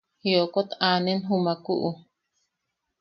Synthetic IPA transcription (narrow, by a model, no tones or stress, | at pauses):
hiokot̪aːnenɦumakuʔu